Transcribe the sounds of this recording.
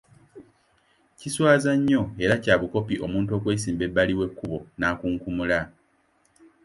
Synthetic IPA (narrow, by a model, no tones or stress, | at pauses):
ciswaːzaɲːo̞e̞ɾacaːβuko̞piʔo̞muːnto̞ːkwe̞ːsiːmbe̞bːaliwe̞kːuβo̞naːkuːŋkumula